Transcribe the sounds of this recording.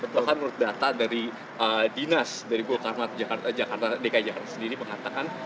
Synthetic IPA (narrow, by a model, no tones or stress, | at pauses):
pət̪akanmuɾʊt̪̚dat̪adaɾi | ədinasdaɾibolkarmat̪̚d͡ʒakart̪d͡ʒakart̪adekaid͡ʒakart̪ḁsəndiɾiməŋat̪akan